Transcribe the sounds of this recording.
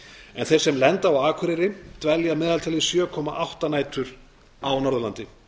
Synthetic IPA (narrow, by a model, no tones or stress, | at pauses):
ɛnθejɾ̥sɛmlɛnt̪aawaːkʰvɪɾɪɾɪt̪vɛljamɛːðalt̪ʰɛlɪsjœːkʰɔmaʔawht̪anaːjt̪ʰʏɾ̥ | awnɔɾʏlant̪ɪ